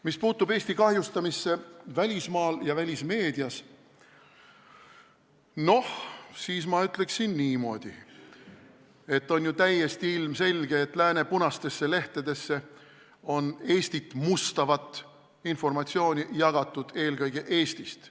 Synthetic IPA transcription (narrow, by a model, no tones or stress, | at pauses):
mispuːt̪ːube̞ːsʲt̪ikɑhjust̪ɑmisːe̞vælʲismɑːljɑvælʲisme̞ːd̪̥iɑs | no̞hsiːsmɑyt̪ːˑle̞ksinːiːmo̞ːd̪̥i | e̞t̪ːo̞njut̪æjːe̞st̪iilmse̞lʲɡ̥e̞ːt̪ːˑlæːne̞punɑst̪e̞sːe̞le̞ht̪ed̪̥e̞sːe̞ | o̞ne̞ːsʲt̪it̪ːˑmust̪ɑvɑt̪ːˑ | info̞rmɑt̪sio̞ːnʲijɑɡ̥ɑt̪ːˑud̪̥e̞ːlɡɤjɡ̥eʔe̞ːst̪ist̪